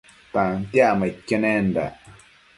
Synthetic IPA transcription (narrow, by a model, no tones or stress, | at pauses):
t̪aŋt̪jamaikːenɛ̃nda̰